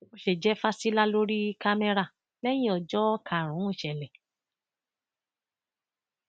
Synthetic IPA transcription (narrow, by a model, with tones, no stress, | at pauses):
mo˧ʃe˨d͡ʒɛ˨˦fa˦si˦la˦lo˦ɾi˦ka˦mɛ˦ɾa˦˨ | lɛ˦j̃ĩ˦ɔ˨d͡ʒɔ˦ka˨ɾ̃ũ˨˦ũ˦˨ʃɛ˨lɛ˨